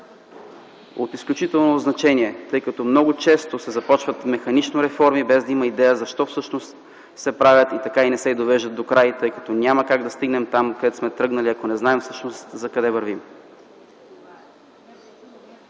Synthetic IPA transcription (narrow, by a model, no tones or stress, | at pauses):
o̰t̪isklʲut͡ʃit̪ɛlˠnoznɐt͡ʃɛniɛt̪ɤjkɐt̪ɔmnɔɡʊt͡ʃɛst̪osɛzɐpɔt͡ʃvət̪mɛxɐnit͡ʃnoɾɛfɔɾmibɛzd̪ɐiməid̪ɛjəzɐʃt̪ɔfsɤʃnost̪ | sɛpɾavʲət̪it̪ɐkainɛsɛid̪ovɛʒət̪ːokɾajt̪ɤjkɐ̥t̪ɔnʲaməkaɡd̪ɐst̪iɡnɛmt̪amkɐd̪ɛt̪ʊ̥smɛt̪ɾɤɡnɐliɐkonɛznaɛmfsɤ̥ʃnost̪zɐkɐd̪ɛvɐɾvim